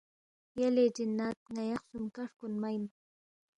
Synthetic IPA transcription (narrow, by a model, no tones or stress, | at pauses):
jaledɪnːat̪̚ŋajɑχsʊmkaɾkʊnmajm